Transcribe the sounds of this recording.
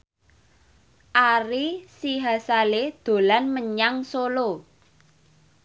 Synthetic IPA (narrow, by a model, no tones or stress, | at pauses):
ʔaɾisiɦasaled̪̥o̤lanməɲaŋsolo